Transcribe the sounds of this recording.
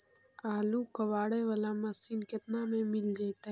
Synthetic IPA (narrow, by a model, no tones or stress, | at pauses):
aːlukɐʋaːɽeʋɐlamɐsinkɪt̪namẽmɪld͡ʒaːt̪aɦ